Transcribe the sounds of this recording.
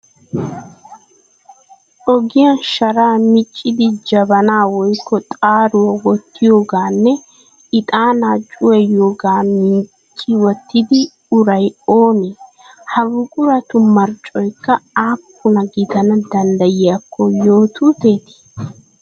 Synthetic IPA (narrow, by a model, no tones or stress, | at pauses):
ɔɡɪjanʃɐɾaːmɪt͡ʃʼːɪd̪ɪd͡ʒɐbɐnaːwɔjkʰːɔt̪ʼaːɾʊwɐwɔt̪ːɪjo̞ːɡaːnːɛ | ɪt̪ʼaːnaːt͡ʃʼʊwɛjoːɡaːmɪnt͡ʃʼːɪwɔt̪ːɪd̪ɪ | ʊɾɐjoːnɛ | hɐbʊkʼʊɾɐt̪ʊmɐɾt͡ʃʼɔjkːɐaːpːʊnɐɡɪd̪ɐnɐd̪ɐnd̪ɐjɪjakʰːɔjo̞ːt̪ʰut̪e̞ːt̪ɪ̥